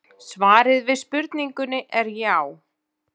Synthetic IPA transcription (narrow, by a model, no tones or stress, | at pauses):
svaːɾɪðvɪðspʏɾt̪niŋkʏnɪʔɛɾjaw